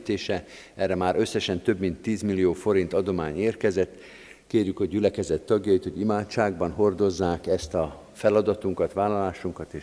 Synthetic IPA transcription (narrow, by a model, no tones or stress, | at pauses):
t̪eːʃɛ | ɛrːɛmaːɾø̞sːɛʃɛnt̪ø̞bmint̪ːiːzmilːijoːfo̞ɾint̪ɒd̪o̞maːɲeːrkɛzɛt̪ː | keːrjykho̞ɟɟylɛkɛzɛt̪ːɒɡjɒit̪ho̞ɟimaːt̪t͡ʃaːɡbɒnɦo̞rd̪o̞zːaːkɛst̪ɒ | fɛlɒd̪ɒt̪uŋkɒt̪ʋaːlɒlaːʃuŋkɒt̪eː